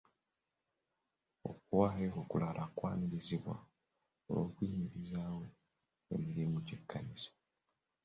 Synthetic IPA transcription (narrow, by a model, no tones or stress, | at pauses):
o̞̰kuwaːheokulalʔakwaːniɾiziβwa̰ | olo̞ːkwiːmiɾizaːwo̞ | e̞̰miɾimucekːaniso̥